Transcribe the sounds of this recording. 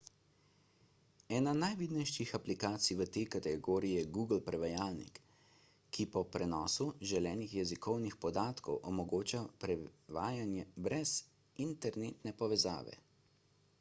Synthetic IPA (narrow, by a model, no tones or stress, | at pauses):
ɛːnanajʋid̪nɛjʃixaplikaːt̪sijʋət̪eːkat̪ɛɡoːɾijɛɡuːɡlpɾɛʋajaːlnḭkː | ipɔpɾɛnɔːsuʒɛlɛːnixjɛzikɔwnixpɔd̪aːt̪kʰɔwʔɔmɔɡoːt͡ʃapɾɛʋaːjanjɛbɾɛz̥ | int̪ɛɾneːt̪nɛpɔʋɛza̰ːʋɛ̰